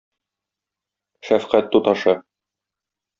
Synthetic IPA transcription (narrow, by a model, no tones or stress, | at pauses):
ʃæfqæt̪ːut̪ɑʃɤ